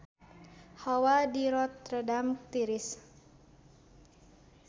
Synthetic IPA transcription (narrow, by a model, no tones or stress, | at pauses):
hawadiɾɔt̪ːɾədamt̪iɾɪs